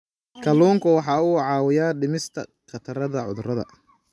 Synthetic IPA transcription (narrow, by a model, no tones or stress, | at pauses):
kʰɐluːŋkʰʊwɑħɑːuːʕɑːwɪjaːɖɪmɪst̪ʰɐ̰qɑt̪ʰɐɾɐðɐʕʊ̰ðʊrɐðɐ̰